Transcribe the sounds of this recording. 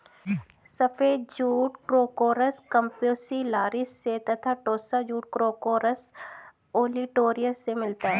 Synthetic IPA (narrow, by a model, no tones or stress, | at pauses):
sɐpʰeːd̪d͡ʒuːʈkɾoːkoːɾəskɐ̃mpjoːsilaːɾɪsːet̪ɐt̪ʰaʈoːsad͡ʒuːʈ̚kɾoːkoːɾəs | oːliʈoːɾijəsːemɪlt̪aɦɛː